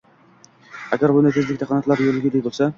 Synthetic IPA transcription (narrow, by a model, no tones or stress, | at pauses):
æɡʲæɾbunɪt̪ʰɪzlɪkʲt̪ʰæqʰɑnɑt̪lˠɑɾjoɾlɪɡʲid̪ek̚ʲbolˠsɛ